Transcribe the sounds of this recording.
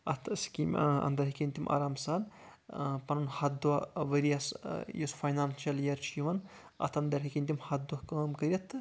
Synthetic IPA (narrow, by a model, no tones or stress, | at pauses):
ɐt̪ʰskʲimʲɐ̰nd̪ɐɾɦikʲinʲt̪imʔa̰ːɾamsaːn | pɐnunhɐd̪uɐʋɐɾiasjosfɐjnaːmt͡ʃɐljɐɾt͡ʃʰiʋɐn | ɐ̰t̪ʰɐnd̪ɐɾɦikʲinʲt̪ʲimhɐd̪ɐkɐmkɐɾʲiɐt̪ːɨ